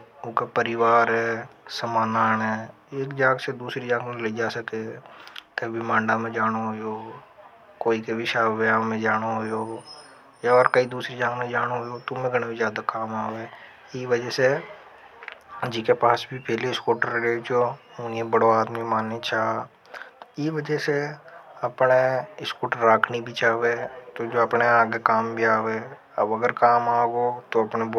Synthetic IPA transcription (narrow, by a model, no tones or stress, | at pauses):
ʊkapəɾɪʋaːɾɦɛːsɐmaːnaːnɦɛː | eːkd͡ʒãːɡsed̪uːsɾid͡ʒãːɡnẽleid͡ʒaːsəke | k̪ɐbibʱimãːɳɖamẽd͡ʒaːɽ̃oɦojoː | koːikebɪʃaːjaːmẽd͡ʒaːɽ̃oɦojoː | jaɔːɾkɐid̪uːsɾid͡ʒãːɡnẽd͡ʒaːɽ̃oɦojot̪ʊmẽɡʱɐɽ̃bizjaːd̪akaːmaːoɛ | iʋɐd͡ʒəse | d͡ʒikepaːsbʱipɛːleɪskoːʈəɾɡeːd͡ʒoʊniẽbəɽoaːd̪mimaːnːet͡ʃaː | t̪oiʋɐd͡ʒəseɐpneɪskoːʈəɾːaːkʰnibʱit͡ʃaːʋet̪od͡ʒoːɐpneaːɡekaːmbʱiaːʋeː | ɐbɐɡəɾkaːmaːɡot̪oɐpneb